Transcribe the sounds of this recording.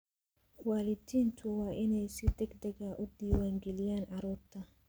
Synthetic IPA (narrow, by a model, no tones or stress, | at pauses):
waːlɪt̪iːnt̪ʰuwaːʔɪnɛjsɪd̪ɛɡd̪ɛɡaʔʊd̪iːwaːŋɡɛlɪjaːnʕɑɾɔːɾt̪ʰɐ